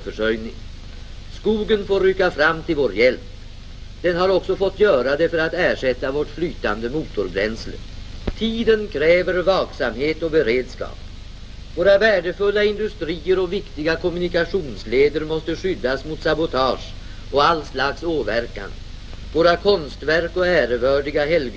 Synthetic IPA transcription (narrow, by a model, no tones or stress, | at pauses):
fœʂœjnɪŋ | skuːɡənfoːɾykːafɾamːt̪ʰɪlvoːɾjɛlp | d̪̥ɛnɦaɾɔksɔfɔt̪ːjœːɾad̪ɛfœɾat̪æːʂɛt̪ːavoʈflyːt̪and̪əmuːt̪ʊɾbɾɛ̰nslə̰t̪ʰiːd̪ənkʰɾɛːvəɾvɑːksamheːt̪ɔbɛɾeːd̪skɑ̰ːp̚ | voːɾavæːɖəfɵlːaɪnd̪ɵst̪ɾiːəɾɔvɪkt̪ɪɡakʰɔmɵnɪkaɧuːnsleːd̪əɾmɔst̪əɧʏd̪ːasmʊt̪sabʊt̪ʰɑːʂ | ɔalslaksoːvæɾka̰n | voːɾakʰɔnst̪væɾkɔæːɾəvœːɖɪɡaɦɛl